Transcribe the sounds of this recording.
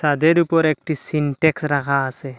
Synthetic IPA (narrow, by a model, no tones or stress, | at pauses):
sad̪eɾupɔɾek̚ʈisiɳʈeksɾakʰaːse